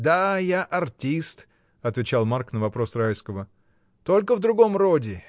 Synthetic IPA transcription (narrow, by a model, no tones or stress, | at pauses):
d̪ajaʔɐrtʲist̪ | ɐt̪vʲɪt͡ɕalˠmarknəvɐpɾo̞srajskəvə | t̪o̞lʲkəvd̪ɾʊɡo̞mro̞dʲɪ